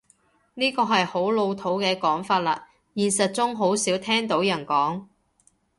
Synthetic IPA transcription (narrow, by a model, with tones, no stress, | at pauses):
niː˥kɔː˧ɦɐ˨jho˨˥wlo˧wt̪ʰo˨˥wkɛː˧kɔː˨˥ŋfaː˧t̚la̰ː˧ | jiː˨nsɐ˨t̚t͡sʊ˥ŋɦo˨˥wsiː˨˥wt̪ʰɛː˥ŋt̪o˨˥wjɐ˨˩nkɔː˨˥ŋ